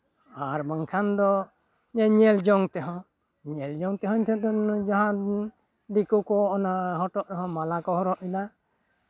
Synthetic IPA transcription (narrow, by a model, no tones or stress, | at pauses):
aɾbaŋkʰand̪ɔ | ɲɛɲɛld͡ʒɔŋt̪ɛɦɔ̃ | ɲɛld͡ʒɔŋt̪ɛɦɔɲt̪ʰɔd̪ɔd͡ʒaɦã | d̪ikukɔɔnaɦɔʈɔʔ̪ɛɦɔ̃malakɔhɔɾɔʔid̪a